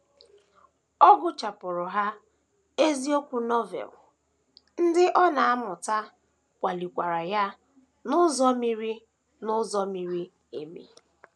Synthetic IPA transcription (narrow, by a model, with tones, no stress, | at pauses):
ɔ˦ɡʊ˦t͡ʃa˨pʊ˨ɾʊ˨ɦa˦ | e˦zi˦o˦kʷu˦nɔ˦vɛ̰˨l | n̩˦dɪ˦ʔɔ˦na˨a˦mʊ˨ta˦ | kʷa˨li˨kʷa˨ɾa˨ja˦ | nʊ˦zɔ˦mi˦ɾi˦ | nʊ˦zɔ˦mi˦ɾi˦ | e˨mḭ˨